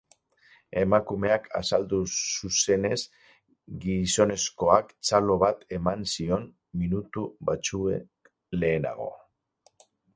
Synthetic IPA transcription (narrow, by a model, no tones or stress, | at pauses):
e̞makume̞akʰa̰sald̪ususe̞ne̞s | ɡiso̞ne̞sko̞akt͡salo̞βat̪e̞mansio̞m | minut̪uβat͡suek | le̞ːna̰ɣ̞o̞̰